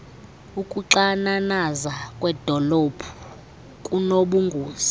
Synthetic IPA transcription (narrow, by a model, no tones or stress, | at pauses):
ukʼuǁananazakʼwɛd̥ʱɔlob̥ʰʱu̥ | kʼunoɓuŋɡʱuːzi̥